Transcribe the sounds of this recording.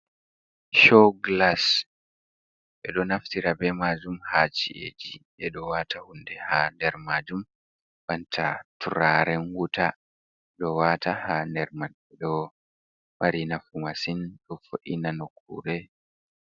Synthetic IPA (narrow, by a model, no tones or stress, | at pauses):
ʃɔɡlas | ʔɛɗɔnaftiɾabɛmaːd͡ʒumhat͡ʃḭʔḛd͡ʒiʔɛɗɔwatahundɛhandɛɾmad͡ʒum | bantʰatuɾaɾɛnwuta | ɗɔwatahandɛɾmaɗɛɗɔ | maɾinafumasinɗɔfoʔinanokʰːṵɾɛ